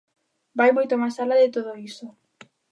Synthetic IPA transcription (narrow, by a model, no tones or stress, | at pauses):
bajmojt̪omasalaðɪt̪oð̞oiso